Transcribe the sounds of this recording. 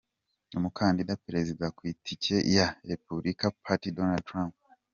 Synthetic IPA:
omukʰaːndidapiɾezidakwiːtʰicejaɾepubɾʔikapʰatidonad̚tɾamp̚

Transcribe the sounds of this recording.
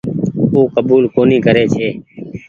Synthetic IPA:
uːkəbuːlkoːnĩːkəɾeːt͡ʃʰeː

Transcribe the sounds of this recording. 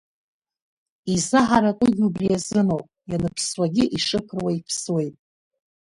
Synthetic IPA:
izaħaɾakʼʊɡʲubrijazɨnopʼjanɨpʰswaɡʲɪʔiʂɨkʰrwaipʰswe̞jtʼ

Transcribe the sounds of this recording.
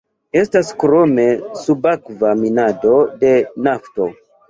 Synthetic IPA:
e̞staskɾo̞me̞subakvaminado̞de̞nafto̞̰

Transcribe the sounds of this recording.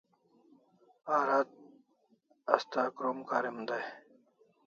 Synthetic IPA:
aːɾat̪̚ | ɐst̪aːkɾoːmkaːɾimd̪aj

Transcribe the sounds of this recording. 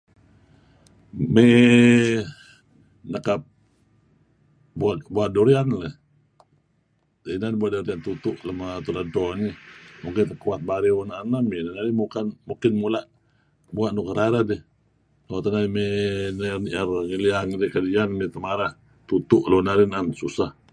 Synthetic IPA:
mɛ | nəkap̚ | buaʔbuaʔdoɾianləh | inanbuaʔdoɾiant̪ut̪ʊʔləmat̪unadɔnimukɪnt̪əkuat̪̚baɾiwunanaminanaɾimukanmukɪnmulaʔ | buaʔnukəɾaɾadɛh | lat̪anaimenəniʔarŋiliaŋdɛkədianmit̪əmaɾah | t̪ut̪ʊʔlonaɾinansusah

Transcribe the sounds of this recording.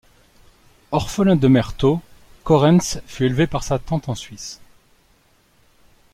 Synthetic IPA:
ɔʁfəlɛ̃d̪əmɛʁt̪o | kɔʁɛ̃nsfyelvepaʁsat̪ɑ̃t̪ɑ̃sɥis

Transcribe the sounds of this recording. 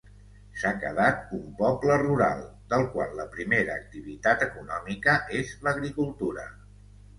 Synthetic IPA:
sakə̰ðat̪̚umpɔpləruɾa̰lˠ | d̪əlˠkwa̰nləpɾimeɾəːk̚t̪iβ̞it̪at̪əkunɔmikəʔezləɣɾikulˠt̪uɾə̰

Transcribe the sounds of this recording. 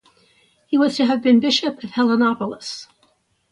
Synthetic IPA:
hiwʌz̥tʰɨɨvbɨ̃nbɪʃɨpʌv̥hɛlˠənɑpl̩ˠəs

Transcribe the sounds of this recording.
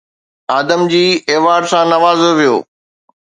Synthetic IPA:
aːd̪əmd͡ʑiːeːʋaːɾsãnɐʋaːzoʋijo̰ː

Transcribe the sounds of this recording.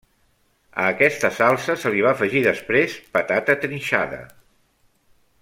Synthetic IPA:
ə̰ːkɛst̪əsalˠsəsəliβ̞aːfəʒiðəspɾespət̪at̪ət̪ɾinʲʃa̰ðə̰

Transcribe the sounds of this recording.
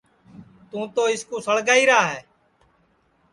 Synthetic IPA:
t̪ũːt̪oːɪskuːsəɽɡaːiːɾaːɦɛː

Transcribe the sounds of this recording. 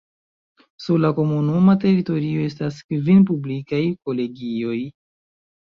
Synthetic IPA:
suɾlako̞munumate̞ɾito̞ɾio̞e̞staskvinpublikajko̞le̞ɡio̞j

